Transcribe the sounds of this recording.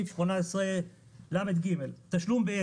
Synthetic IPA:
ifʃmonaesʁe | lamet̪ɡime̞lt̪aʃlumbeje

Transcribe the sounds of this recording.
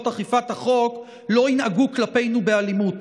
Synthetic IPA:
taχifathaχo̞k | lo̞inaɡuklape̞jnubealimut

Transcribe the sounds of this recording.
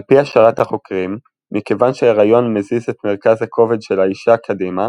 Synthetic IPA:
alpiaʃaʁathaχo̞kʁimː | ikevanʃeaʁajo̞nmezizetmeʁkazakʰo̞ve̞dʃelaiʃakʰadima

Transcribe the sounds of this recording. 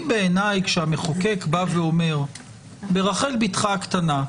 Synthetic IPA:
beːnajkʃeame̞χoke̞kbaveo̞me̞ʁ | be̞ʁaχe̞lbitχakt̪ana

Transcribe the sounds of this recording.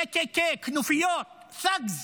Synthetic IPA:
ekekeknufijot̪̚ | saɡz

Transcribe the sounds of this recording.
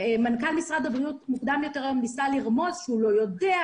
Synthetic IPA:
mankalmisʁad̪abʁiutmukd̪amjo̞te̞ʁajomnisaliʁmo̞zʃeulo̞jo̞dea

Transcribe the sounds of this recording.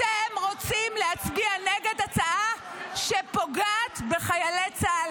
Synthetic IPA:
temʁo̞t͡simleat͡sbianeɡe̞dat͡saʔa | ʃepo̞ɡaːt̪beχajalet͡sal

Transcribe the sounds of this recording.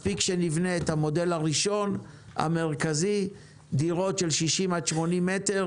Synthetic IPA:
pikʃe̞nivneethamo̞de̞laʁiʃo̞n | a̰me̞ʁkazi | diʁo̞tʃelʃiʃimaʃmo̞nimːeteʁ

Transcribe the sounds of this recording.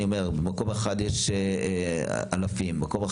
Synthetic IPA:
iomeʁbemako̞meχad̪jeʃ | alafimːako̞me

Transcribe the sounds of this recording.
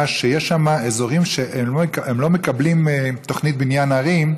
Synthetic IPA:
ʃejeʃamaezo̞ʁimʃeʔemlo̞mekablimet̪o̞χnit̪̚binjanaʁim

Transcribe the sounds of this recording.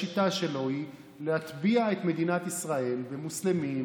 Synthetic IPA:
it̪aʃe̞lo̞hi | lehat̪biaet̪me̞d̪inat̪isʁae̞lvemuslemim

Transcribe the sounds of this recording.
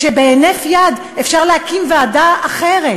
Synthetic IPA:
ʃebeenefjad̪ | efʃaʁlehakimvead̪aaχeʁe

